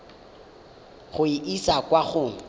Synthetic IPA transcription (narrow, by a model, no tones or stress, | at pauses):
χʊiʔisakwaχʊ